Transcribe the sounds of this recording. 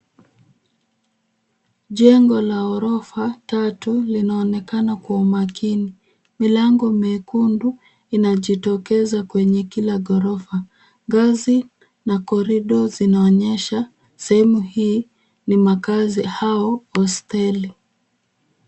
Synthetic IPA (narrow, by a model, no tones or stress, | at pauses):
ʄɛŋɡɔlaɔɾɔfatatulinaɔnɛkanakwaumakini | milaŋɡɔmɛkundu | inaʄitɔkɛzakwɛɲɛkilaɡɔɾɔfa | ŋɡazi | nakɔɾiɗɔzinaɔɲɛʃa | sɛhɛmuhiː | nimakazihaɔɔstɛli